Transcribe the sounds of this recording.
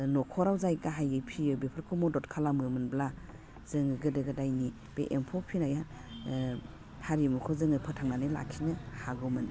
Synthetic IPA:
nɔkʰɔɾawzajɡaɦajɯpʰijɯbepʰɯɾkʰumɔdɔtkʰalamɯmɯnbla | z̥ɯŋɯɡɯdɯɡɯdajni | b̥ḛʔempʰɔpʰinajan | haɾimukʰɔzɯŋɯpʰɯtʰaŋnanila̰kʰinɯhaɡɯmɯn

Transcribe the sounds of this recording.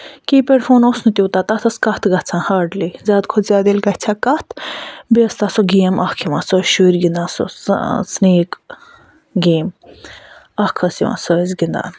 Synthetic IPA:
kiːpeɖfʰoːnosnut̪ʲoːt̪at̪ɐt̪ʰɐskɐht̪ʰɡɐt͡sʰãːhaːɾɖlizʲaːd̪kʰozʲjaːd̪ilɡɐht͡sʲʰaːkɐht̪ʰbiɐst̪ɐsoɡeːmʔɐhkʰiʋasoʃuɾɡind̪aːso̰sneːk | ɡeːm | ɐhkʰɐsiʋã̰soɐzɡind̪a̰ːn

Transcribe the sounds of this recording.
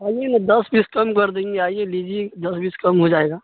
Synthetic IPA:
aːjend̪ɐsbiskɐmkɐɾd̪ẽːŋɡeaːieliːd͡ʒied̪ɐsbiskɐmɦod͡ʒaːeːɡaː

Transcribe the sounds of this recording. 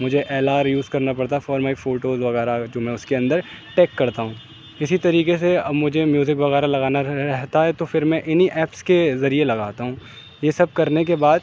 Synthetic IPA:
mʊd͡ʒʱeʔeːlaːɾjuːzkɐɾnapɐɽt̪afɔːɾmaːifoːʈoːzʋɐɣɛːɾad͡ʒoːmɛ̃ːʊskeɐ̃nd̪əɾ | ʈeːkːɐɾt̪aɦũː | ɪsit̪ɐɾiːkes̬eɐmʊd͡ʒʱemjuːzɪkʋɐɣɛːɾalɐɣaːnaɾɾɛɦt̪aɦɛt̪ofɪɾmɛ̃ʔɪniʔɛːpskezɐɾielɐɡaːt̪aɦũː | jesɐb̚kɐɾnek̬ebaːd̪

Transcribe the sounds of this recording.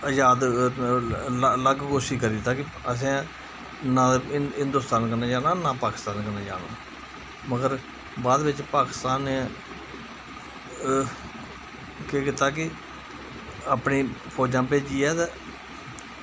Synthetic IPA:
əjaːd̪ | ləɡkoːʃiːkəɾiːt̪ãːkɪ | əs̬ẽː | nãːɦɪ̃nd̪ʊːst̪aːnkənaːd͡ʒaːnãːnaːpaːkɪ̥st̪aːnkənaːd͡ʒa̰ːna̰ː | məɡəɾ | baːd̪ʋɪt͡ʃpaːkɪst̪aːne | keːkɪt̪aːkɪ | aːpniːpʰɔːd͡ʒãːpeːd͡ʒiːɛːt̪ː

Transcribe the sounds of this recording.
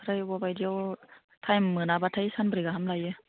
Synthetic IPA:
ɾajbɔbajdiəw | t̪ʰajmmːɯnabat̪ʰajsanbɾiɡaɦamlajɯ

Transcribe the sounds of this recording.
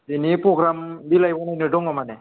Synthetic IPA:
dinipɾɔɡɾambilajbɔnajnɯdɔŋɔmane

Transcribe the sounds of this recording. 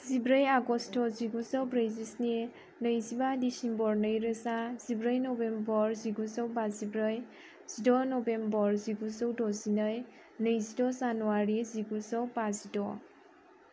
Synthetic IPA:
zibɾəjaɡɔstʰɔziɡuzɔwbɾejzisne | nəjzibadisimbɔɾnəjɾɯsaz̥ibɾəjnɔbembɔɾziɡuzɔwbazibɾəj | z̥idɔnɔbembɔɹziɡuzɔwdɔzinəj | nɯjzidɔzanuwaɾiziɡuzɔwbazidɔ

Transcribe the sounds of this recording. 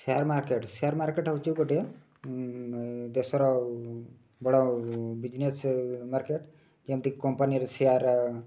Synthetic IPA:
seaɾmaɾkeʈsejaɾmaɾkeʈat͡ʃikoʈie | d̪esɔɾɔ | bɔɽɔbid͡ʒnesmaɾkeʈ | d͡ʒemt̪ikikɔmpaniɾsejaɾ

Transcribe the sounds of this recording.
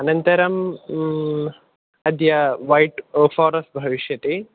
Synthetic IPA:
ɐnɐnt̪ɐɾɐm | ɐd̪jɐʋɐjʈfoːɾɐsʈ̚bʱɐʋiʃjɐt̪e

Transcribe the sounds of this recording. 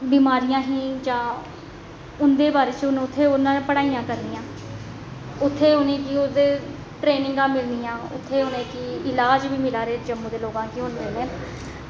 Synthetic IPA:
biːmaːɾijãːɦiːd͡ʒãː | ʊnd̪eːbaːɾeːt͡ʃʊñːʊt̪ʰːeːʊnãːpəɽaːijãːkəɾniːãː | ʊt̪ʰːeːʊnẽːkiʊd̪eː | ʈɾeːnɪ̃ŋɡãːmɪlniːãːʊt̪ʰːeːʊnẽːkɪɪlaːd͡ʒʋiːmɪlaːɾeːd͡ʒəmːũːd̪eːloːɡãːkiɦʊnd̪eːneː

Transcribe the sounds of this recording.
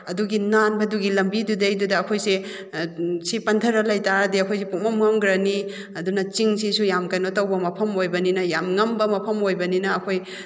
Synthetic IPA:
ɐduɡinanbɐduɡilɐmbidudejdudɐːkʰojse | sipɐntʰɐɾɐlɐjtaɾɐdiɐkʰojs̬epumɐmŋɐmɡɾɐni | ɐdunɐt͡ʃiŋsisujamkɐjnotɐwbɐmɐpʰɐmojbɐninɐjamŋɐmbɐmɐpʰɐmojbɐninɐːkʰoj

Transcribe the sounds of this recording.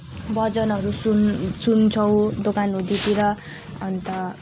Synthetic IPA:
bʌd͡zʌnʌɾusunsunt͡sʰʌw̃d̪okanɦũd̪it̪iɾʌ | ʌnt̪ʌ

